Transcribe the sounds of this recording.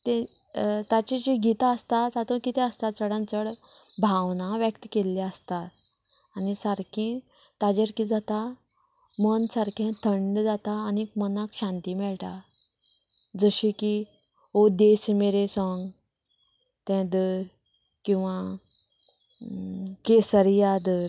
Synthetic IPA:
t̪ɛ̃ | t̪at͡ɕĩt͡ɕiɡʱit̪aəst̪at̪at̪õkit̪ɛ̃əst̪at͡səɽãnt͡səɽbʱaʋnaʋjəkt̪kelːɛəst̪at̪ | anisaɾkʰɛ̃ | t̪ad͡ʑəɾkid͡zat̪a | mənsaɾkʰɛ̃t̪ʰəɳɖd͡zat̪aːnikmənakɕãnt̪imɛɭʈa̰ | d͡zəɕiki | od̪esmeɾesɔ̃ŋɡ | t̪ɛ̃d̪əɾ | kĩw̃ʋa | kesəɾijad̪əɾ

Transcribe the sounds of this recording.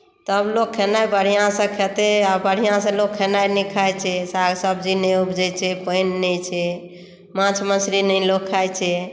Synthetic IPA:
t̪əblokʰːenajbəɽ̤ijãsə̃kʰet̪eabəɽ̤ijãsə̃lokʰːenajnikʰajt͡ʃʰɛsaɡsəbd͡ʒinɛubd͡ʒɛt͡ʃʰɛpəjnːɛt͡ʃʰɛ | mãt͡ʃʰməsɾinəlokkʰːajt͡ʃʰɛ

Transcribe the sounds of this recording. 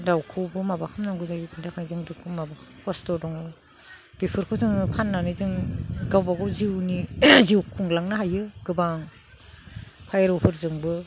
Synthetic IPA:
dawkʰuwbɯmabakʰamnaŋɡuzaɡipʰɯndakʰajzɯŋdukʰɯmabakʰkɔstɔdɔŋ | b̥ipʰɯɾkʰɯzɯŋpʰanːanizɯŋɡawbaɡɔwziwniziwkʰuŋlaŋnaɦajɯɡɯbaŋ | pʰajɾɔwpʰɯɾzɯŋbɯ

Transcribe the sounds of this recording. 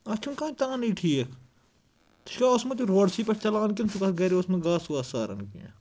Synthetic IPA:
ɐt͡ʃʰunkãːnt̪ãːniːʈʰiːekʰ | t̪ʃkaːosmɐt̪iɾoːɽsiːpɐɾt͡ʃɐlaːnkɪnsukɐt̪ɡɐɾiosmɐɡaːsuaːsaːɾɐ̰nɡḭã̰

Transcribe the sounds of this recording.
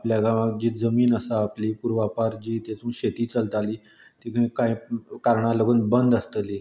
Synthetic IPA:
pljaɡaad͡ʑiːd͡zəmiːnəsaːpliːpuɾʋapaɾd͡ʑiːt̪et͡sũːɕet̪iːt͡səlt̪aliːt̪ikaĩkãikaɾɳaləɡuːnbənd̪əst̪əli

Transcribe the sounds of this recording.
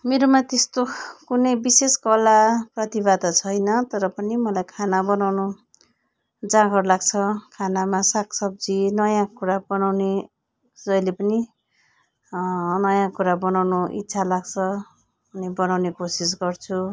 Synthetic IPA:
meɾomat̪est̪okunʌjbiseskʌlaprʌt̪ibad̪ʌt͡sʰʌjnʌt̪ʌɾʌpʌnimʌlajkʰanabʌnawnu | d͡zãɡʱʌrlaɡt͡sʰʌkʰanamasakʰsʌb̚d͡zinʌjãkuɾabʌnawne | d͡zʌjlepʌni | nʌjãkuɾabʌnawnuḭt̪ːsʰalaɡt͡sʰʌ | unebʌnawnekosis̬ɡʌrt͡sʰu

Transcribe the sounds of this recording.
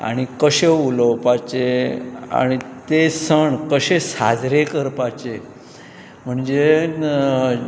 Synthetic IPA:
a̰ɽ̃ikəɕeuləwpat͡ɕea̰ɽ̃it̪esəɳkəɕesa̰d͡zɾekəɾpat͡ɕe | m̤əɳd͡ze

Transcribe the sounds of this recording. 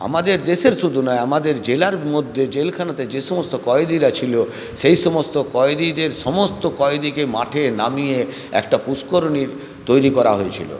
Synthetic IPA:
a̰mad̪eɾd̪eʃeɾʃud̪ʱunɔeamad̪eɾd͡ʑelaɾmod̪ʱːed͡ʑelkʰanat̪ed͡ʑeʃɔmost̪okɔed̪iɾat͡ɕʰilo | ʃejʃɔmost̪okɔed̪id̪eɾʃɔmost̪okɔed̪ikemaʈʰenamije | ɛ̰kʈapuskoɾoniɾ | t̪ojɾikɔɾa̰ɦoet͡ɕʰḭlo̰

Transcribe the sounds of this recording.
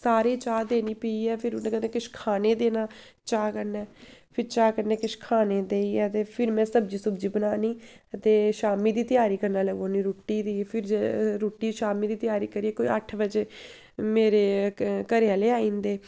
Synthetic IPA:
saːɾeːt͡ʃaːd̪eːniːpəiːɛːpʰɪɾʊnãːkəneːkɪʃkʰaːneːd̪eːnaː | t͡ʃaːkəɾnɛːpʰɪɾt͡ʃaːkəɾnɛːkɪʃkʰaːneːd̪eːiːɛːt̪eːpʰɪɾmɛ̃ːsəbd͡ʒiːsʊbd͡ʒiːbənaːniː | ət̪eːʃaːmiːd̪iːt̪ɪjaːɾiːkəɾnaːləɡõːniːɾoːʈiːd̪iːpʰɪɾd͡ʒɾoːʈiːʃaːmiːd̪iːt̪ɪjaːɾiːkəɾiːɛːkoːiə̰ʈʰʋəd͡ʒeː | meːɾeːkəɾeaːleːaːĩːnd̪eː

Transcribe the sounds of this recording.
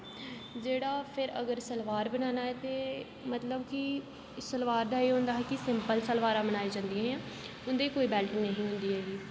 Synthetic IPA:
d͡ʒeːɽaːpʰɪɾə̰ɡəɾsəlʋaːɾbənaːnaːɛːt̪eː | mət̪ləbkɪ | səlʋaːɾd̪aːeːɦʊ̃ːnd̪aːɦɛːkɪsɪmpəlsəlʋaːɾãːmbənaːeːd͡ʒãːnd̪ijãːɦɛ̃ː | ʊnd̪eːkoːiːbɛːlʈinəɦĩːɦʊ̃nd̪iːɦɛːɡiː

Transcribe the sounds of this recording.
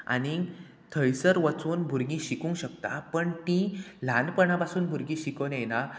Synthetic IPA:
a̰ni | t̪ʰəjsəɾʋət͡suːnbʱuɾɡĩɕikũŋkɕəkt̪a̰pəɳt̪ĩlanpəɳapasuːnbʱuɾɡĩɕikənena

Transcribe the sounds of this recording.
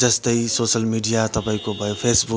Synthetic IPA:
d͡ʒəst̪əisoːsəlmiɖijat̪ɐbʱaĩkobʱəjpʰeːsbu

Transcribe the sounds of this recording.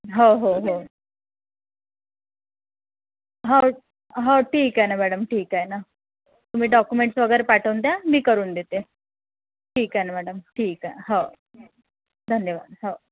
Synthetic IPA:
ɦoɦoɦo | ɦa | ɦawʈʰiːkaenamæɽəmʈʰiːkaena | t̪um̤iːɖɔkjumeɳʈsʋəɡəjɾepaʈʰəwnt̪̬jamiːkəɾuːnd̪et̪e | ʈʰiːkaenamæɽəmʈʰiːkaɦo | d̪ʱənjəʋaːd̪ɦow

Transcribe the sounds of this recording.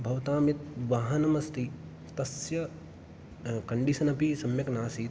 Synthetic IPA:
bʱɐʋt̪aːmjit̪̚ʋaːɦɐnɐmɐst̪i | t̪ɐsjɐ | kɐɳɖiʃɐnɐpisɐmjɐknaːsiːt̪

